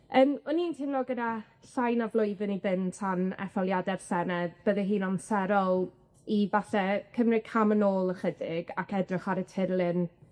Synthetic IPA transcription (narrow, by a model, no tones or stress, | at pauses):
əːmɔnintʰɪnlɔɡəda | ɬajnavlˠʊɨvɨnivɪntʰanɛ̰fɔlˠjadɛv̥sɛnɛdb̥əðɛɦiːnɔmsɛɾɔlˠ | ivaθɛkʰəmrɪkʰamənoːlˠəχədɪɡakɛdrɪχaɾətʰɪɾlˠɪn